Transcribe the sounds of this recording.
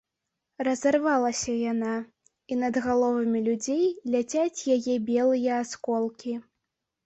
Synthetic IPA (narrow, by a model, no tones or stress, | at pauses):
rɐzarvalˠɐsʲɐjana | inɐd̪ɣalˠɔvɐmʲilʲud͡zʲejlʲat͡sʲat͡sʲjajɛbʲɛlˠɨjɐːskɔlˠkʲi